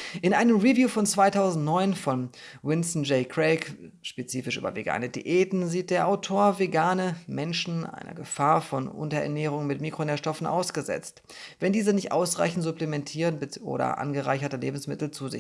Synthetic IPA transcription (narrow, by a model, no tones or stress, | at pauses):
ʔɪnʔaɪnəmʁivjuːfɔnt͡sv̥aɪtʰaʊzn̩tnɔʏnfɔnwɪnsn̩d͡ʒɛɪkʁɛkʃpet͡siːfɪʃy̰ːbɐ̰vḛɡa̰ːnədḭʔeːtn̩ziːt̚d̥eːɐʔaʊtʰoːɐveɡaːnəmɛnʃn̩ʔa̰ɪnʔɐ̰ɡəfaːɐfɔnʔʊ̰ntɐʔɛ̰ɐnɛːʁ̞ʊŋmɪtmiːkʁ̥oneːɐʃtɔfn̩ʔa̰ʊsɡ̥əzɛ̰t͡st | vɛndiːzənɪçtʔa̰ʊsʁa̰ɪçn̩tz̥uplemɛntʰiːʁənbʔo̰ːɾɐ̰ʔa̰nɡəʁa̰ɪçɐtɐlḛːbm̩smɪtl̩t͡suːzɪ̰